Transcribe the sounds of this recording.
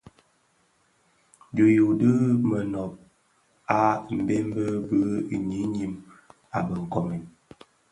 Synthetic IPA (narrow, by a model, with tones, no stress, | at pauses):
d͡ʒo˨ju˨də˦mə˨nɔ˨p̚ | a˦m̩˨be˦m˦bə˦bə˦i˨ɲi˨˦ɲi˦m | a˨bə˨ŋ̩˨kɔ˨mi˨n